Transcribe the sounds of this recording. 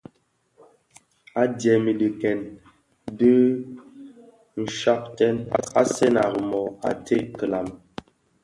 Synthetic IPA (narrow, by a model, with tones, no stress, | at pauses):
a˦djɛ˨mi˨di˨kɛ˨n | di˦ | n̩˨ʃa˦p̚tɛ˦na̰˦sɛ˦na˨ɣə˨mɔ˨a̰˨te˦kə˨la˨m